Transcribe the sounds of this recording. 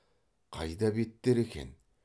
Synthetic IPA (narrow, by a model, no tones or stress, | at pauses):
qʰɑ̰jd̪ɑbe̞t̪ːeɾe̞kʲe̞̰n